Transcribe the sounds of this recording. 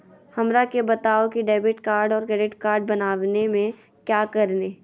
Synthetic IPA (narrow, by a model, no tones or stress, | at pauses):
hɐmɾakebɐt̪aːokiɖɛːbɪʈkaːɾɖɔːɾkɾɛːɖɪʈkaːɾɖ̚bɐnaːʋnemẽ | kjaːkɐɾneː